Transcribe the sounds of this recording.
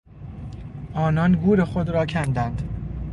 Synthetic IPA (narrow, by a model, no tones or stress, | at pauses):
ʔɒːnɒːnɡuːɾe̞xod̪ɾɒːcʰænd̪ænd̪̥